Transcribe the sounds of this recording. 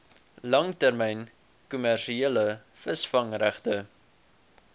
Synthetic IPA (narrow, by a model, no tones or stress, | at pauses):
lɐŋtærmɛjn | kumærʃieələ | fəsfɐŋræχtə